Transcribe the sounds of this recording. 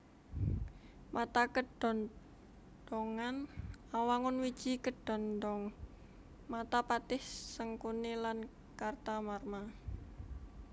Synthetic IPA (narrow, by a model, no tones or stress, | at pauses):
mʔat̪akəɖ̥ɔn | d̪̥ɔŋanawaŋʊnwid̥ʒ̥i̤kəɖ̥ɔ̤ndɔŋ | mat̪apat̪ɪhsəŋkunilan | kart̪amarma